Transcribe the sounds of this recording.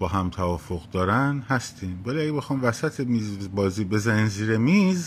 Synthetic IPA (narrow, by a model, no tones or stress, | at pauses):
b̥ɒːɦæmt̪ʰævɒːfoɣd̪ɒːɾænhæst̪ʰiːmvæliæɡe̞be̞xɒːmvæsæt̪ʰemiːzbɒːziːbe̞zæniːnziːɾe̞miːz